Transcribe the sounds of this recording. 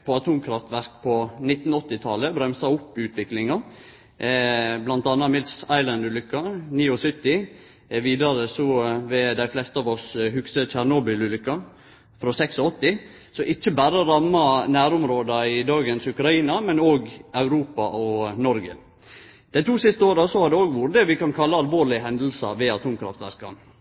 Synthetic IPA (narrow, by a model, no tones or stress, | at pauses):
pʰɔɑt̪ʰuːmkʰɾɑft̪ʋæɾkpʰɔnɪt̪n̩ɔt̪ːɪt̪ʰɑləbɾœmsɑʊpːʉːt̪ʰʋɪklɪŋɑ | blɑnt̪ɑnːɑmɪlsæɪlɑnd̪ʉːlʏkːɑniːɔsʏt̪ːɪ | ʋiːd̪ɑɾəsɔʋɛd̪æɪflɛst̪əɑːʋɔshʉksət͡ʃæɾnoːbɪlʉːlʏkːɑ | fɾɔsɛksɔɔt̪ːɪ | sɔʔɪt͡ʃːəbæːɾəɾɑmːɑnæːɾʊmɾoːd̪ɑɪd̪ɑːɡənsʉkɾɑiːnɑmɛnoːɡɑʉɾuːpɑʔɔnɔɾɡə̰ | d̪̥ɛnt̪ʰuːsɪst̪əoːɾɑsɔhɑɾd̪ɛoːɡʋuːɾəd̪ɛʋɪkɑnkʰɑlːəɑlʋoːɾɭɪɦɛnd̪əl̩sɑ̰ʋɛɑt̪ʰuːmkʰɾɑ̰ft̪ʋæ̰ɾskɑ̰n